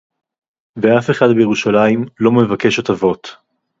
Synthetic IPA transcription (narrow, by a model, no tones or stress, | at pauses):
veafe̞χad̪bejeʁuʃalaimlo̞mevake̞ʃat̪avo̞t̪